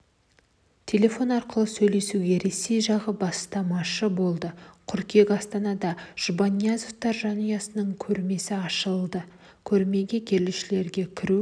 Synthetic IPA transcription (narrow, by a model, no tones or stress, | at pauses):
t̪ʲʰe̞lʲe̞fo̞nɑɾqəlˠəsɵjle̞suɡʲe̞ɾe̞se̞jʒɑʁəbɑst̪ɑmɑʃəbo̞lˠd̪əqʰʏɾkʲe̞kʲɑst̪ɑnɑd̪ɑʒ̥ubanʲːiazoft̪ɑɾʒɑnujɑsənəɴkʲʰɵɾme̞sɪɑʃəlˠd̪ə | kʲʰɵɾme̞ɡʲe̞kʲʰe̞ɾlɪʃɪle̞ɾɡʲe̞kʲʰɪɾu